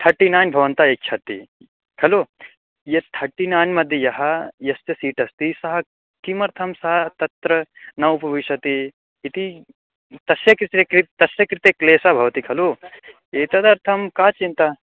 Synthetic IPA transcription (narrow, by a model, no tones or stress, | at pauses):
t̪ʰɐɾʈinaːjnbʱɐʋɐnt̪aːek̚t͡ʃʰɐt̪ḭ | kʰɐloː | jɐt̪ʰɐɾʈinaːjnmɐd̪ʱjɐjɐɦɐjɐst̪jɐsiːʈɐst̪isɐɦɐ | kimɐɾt̪ʰɐmsɐɦɐt̪ɐt̪ɾɐnɐʋpɐʋiʃɐt̪iː | t̪i | t̪ɐsjɐkɾit̪ekɾit̪ɐsjɐkɾit̪ekleːsabʱɐʋɐt̪ikʰɐloː | eːt̪ɐd̪ɐɾt̪ʰɐmkaːt͡ʃint̪a